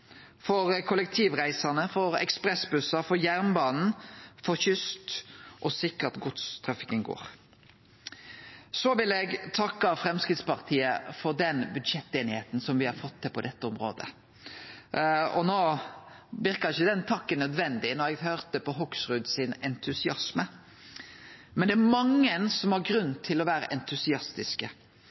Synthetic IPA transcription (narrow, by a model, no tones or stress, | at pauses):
fɔʁkʰʊlɛk̚t̪ʰiːʋʁæɪsɑnəfɔɾɛ̰kspʁɛsbʉsɑfɔjæʁnbɑːnn̩fɔçʏst̪ʔɔsɪkəɾɑt̪ɡʊt̪st̪ʰɾɑfi̥kəŋɡo̰ːɾ | sɔʋɪlɛɡt̪ʰɑkːɑfɾɛmskʁɪt̪spɑʁt̪ʰiːəfɔʁd̪ɛnbʉd̪ʂɛt̪ːeːnɪheːt̪n̩sɔmʋɪhɑɾfɔt̪ʰːɪpʰɔd̪ɛt̪ːəɔmɾo̰ːd̪ə̰ | ɔnoː | ʋɪɾkɑɾɪçːəd̪ɛnt̪ʰɑkːənœd̪ʋɛnd̪ɪnɔɾɛɡhøːʁt̪əpɔɦɔksʁʉːd̪sɪnɛnt̪ʰʉsɪɑsmə | mɛnd̪ɛæmɑŋːənsɔmhɑɾɡɾʉnːt̪ʰɪlɔʋæːɾə̰ʔɛnt̪ʰʉsɪɑst̪ɪskə